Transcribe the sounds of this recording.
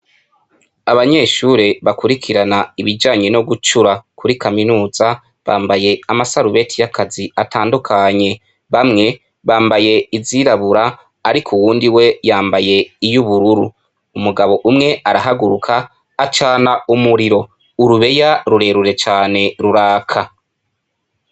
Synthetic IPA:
aβaɲe̞ːʃuːɾeβakuɾikʰiɾanaiβid͡ʒaːɲe̞no̞ɡut͡ʃuɾakʰuɾikʰaminuːza | βa̰ːmbaje̞amasaɾuβe̞tʰijakaziatʰaːndukʰaɲe̞ | βamŋe̞ | βaːmbaje̞iziɾaβuɾaː | ɾikʰuwuːndiwe̞jaːmbaje̞ijuβuɾuɾṵ | umuɡaβo̞ʔumŋe̞aɾaɦaɡuɾukʰaː | t͡ʃaːnaumuɾiɾo̞ | uɾuβe̞jaɾuɾe̞ɾuɾe̞t͡ʃaːne̞ɾuɾaːkʰa

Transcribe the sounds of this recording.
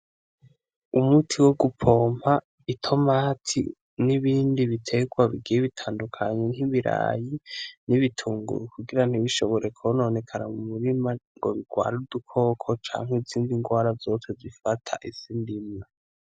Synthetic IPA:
umutʰiwoɡupʰo̞ːm̥ha | itʰo̞maːtʰḭ | niβiːndiβitʰe̞ɡwaβiɡijeβitʰaːndukʰaɲenhiβiɾa̰jiniβitʰuːŋɡṵɾukuɡiɾan̥iβiʃo̞βo̞ɾe̞kʰono̞ːne̞kʰana̰mumuɾimaŋɡoβiɡwa̰ːɾudukʰo̞ːkʰo̞t͡ʃa̰ːŋ̥heziːndiŋɡwaːɾazo̞ːt͡sezifatʰa̰ʔisindima

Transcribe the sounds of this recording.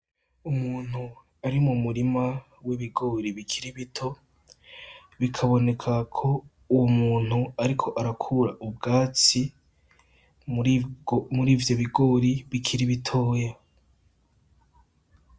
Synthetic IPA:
umuːn̥hu | aɾimumuɾima | wiβiɡo̞ːɾiβikʰiɾiβitʰo̞ | βikʰaβo̞ne̞kʰakʰo̞ | uwumuːn̥huaɾikʰo̞ʔaɾakʰuɾaʔubɡaːt͡si | muɾiːvjo̞βiɡo̞ːɾiβikʰiɾiβitʰoːja

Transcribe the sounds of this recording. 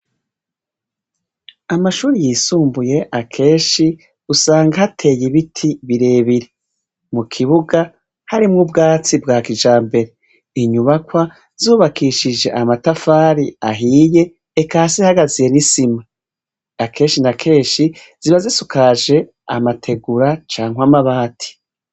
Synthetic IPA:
amaʃuːɾijiːsuːmbuje̞ʔakʰe̞ːʃi | usaːŋɡahatʰe̞jiβitʰiβiɾe̞ːβiɾe | mukʰiβuɡa | haɾimŋub̚ɡaːt͡sibɡaːkid͡ʒaːmbe̞ɾe | iɲuβakwa | z̥uːβakiʃid͡ʒe̞̰ʔamatafaːɾiaɦiːje̞ː | kaːsihaɡazije̞nisima | akʰe̞ːʃinakʰe̞ːʃi | z̥iβazisukʰaʒe̞ | amatʰe̞ɡuɾat͡ʃaːŋwamaβaːtʰi̥

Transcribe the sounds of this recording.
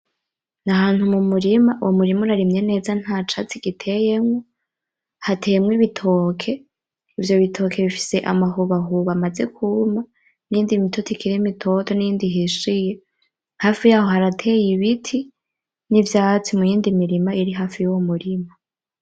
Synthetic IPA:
naɦaːn̥humumuɾimaʔuwomuɾimuɾaɾimɲe̞ne̞ːzan̥hat͡ʃat͡siɡ̥itʰe̞jemŋo̞ | hatʰejemŋiβitʰo̞kʰe̞ | ivjo̞βitʰo̞kʰe̞βifi̥seʔa̰maɦuβaɦuβamaze̞kʰuma | niːndimitʰotikʰiɾimitʰo̞tʰoniiːndiɦiʃije̞ | haːfijaːho̞haɾatʰe̞jiβitʰi | nivjaːt͡simujiːndimiɾimaiɾiɦaːfijuwomuɾima

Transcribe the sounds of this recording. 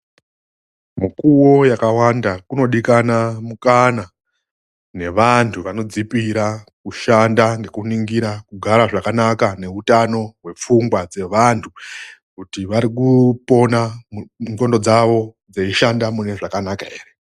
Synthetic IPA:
mukuwo̞jakawandakuno̞ɗikanamukana | ne̞ʋantʰuʋano̞d͡zipiɾakuʃandaŋɡe̞kuniŋɡiɾakuɡʱaɾaʐakanakane̞utano̞ɦwe̞p͡fuŋɡwad͡ze̞ʋantʰukutiʋaɾikupo̞naŋɡo̞ndo̞d͡zaʋo̞ | d͡zeiʃandamune̞ʐakanakae̞̰ːre

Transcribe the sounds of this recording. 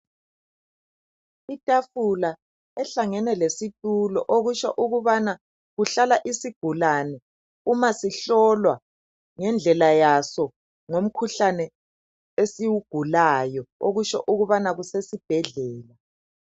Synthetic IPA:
itʼafula | ɛɬaŋɛnɛlesitʼulɔʔoɣuʃɔʔuɣuβana | ɣuɬalaʔisiɡ̥ʱulanɛ | umasiɬɔlwa | ŋɛnd͡ɮʱɛlajasɔ | ŋom̩kʰuɬanɛ | esiwuɡ̥ʱulajɔoɣuʃɔ̰ʔuɣuβanaɣusesib̥ʱɛɮɛːla

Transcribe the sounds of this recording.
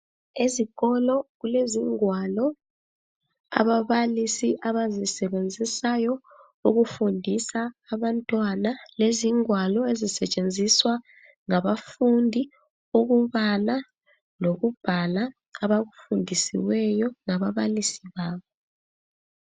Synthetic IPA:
eziɣ̥ɔlɔɣuleziŋwalɔ | a̰βaβalisiʔaβazisɛβend͡zʱisajɔ | uɣufundʱisaːβantʼwanaleziŋwalɔezisɛt͡ʃʼend͡zʱiswa | ŋaβafundʱi | uɣuβala | loɣub̥ʱalaː | βaɣufundʱisḭwɛjɔŋaβaβalisiβaːβɔ

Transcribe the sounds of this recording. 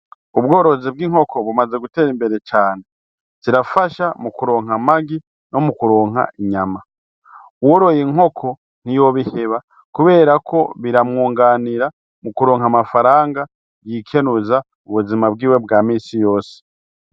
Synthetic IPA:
uβɡo̞ːɾo̞zib̚ɡiːŋ̥ho̞kʰo̞βumaze̞ɡute̞ːɾimbe̞ɾe̞t͡ʃaːne̞ | z̥iɾafaʃamukuɾo̞ːŋɦamaɡi | no̞mukuɾo̞ːŋɦa̰iɲama | woɾojiŋo̞kʰo̞ | n̥ijo̞βihe̞βa | kuβe̞ːɾakʰo̞βiɾamŋuːŋɡaːniɾa | mukuɾo̞ːŋamafaɾaːŋɡa | jikʰe̞nuza | uβuzimabɡiːwe̞bɡaːmiːsijo̞ːse̥

